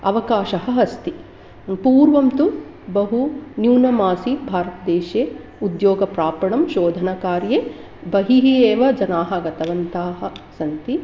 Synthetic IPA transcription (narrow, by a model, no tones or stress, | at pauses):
ɐʋɐkaːʃɐɦɐ̆ɦɐst̪i | puːɾʋɐmt̪u | bɐɦunjuːnɐmaːsibʱaːɾɐt̪ɐd̪eːʃeː | ud̪joːɡɐpɾaːpɐɳɐmʃoːd̪ʱɐnɐkaːɾje | bɐɦiɦieːʋɐd͡ʒɐnaːɦɐɡɐt̪ɐʋɐnt̪aːɦɐ̆sɐnt̪i